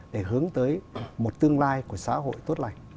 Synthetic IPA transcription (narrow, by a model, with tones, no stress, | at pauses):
ɗe˧˩ɦɨ˨˦əŋt̪əː˨˦jmo˨˩t̚t̪ɨ˧əŋlaː˧jku˧˩əsaː˨˦ɦo̰˧˨jt̪o˦˥t̚la̰˧˨jŋ̟